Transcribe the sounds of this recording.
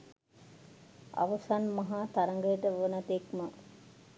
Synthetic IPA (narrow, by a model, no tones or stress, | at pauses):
a̰ʋəsanmɐɦaːt̪aɾəŋɡəjəʈəʋonat̪ekmə